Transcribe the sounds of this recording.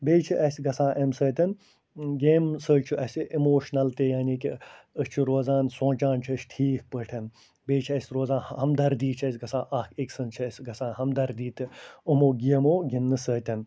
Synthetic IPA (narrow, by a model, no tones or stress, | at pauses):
beːt͡ʃʰiʔɐsʲɡɐsãːʔɐmsəːt̪ʲɐn | ɡeːmsəːt͡ʃʰuʔɐsʲiʔimoːʃnɐlt̪ejaːniːkiəst͡ʃʰuɾoːzãːnsõːt͡ʃãːnt͡ʃʰɐʃʈʰiːk̚pəːʈʰɐn | beːt͡ʃʰiɐsʲɾoːzãːnhɐmd̪ɐɾd̪iːt͡ʃʰɐsʲɡɐsãːʔɐhkiksɨnt͡ʃʰɐsʲɡɐsãːnhɐmd̪ɐɾd̪iːt̪ɨumoːɡiɐmoːɡʲinːɨsəːt̪ʲɐn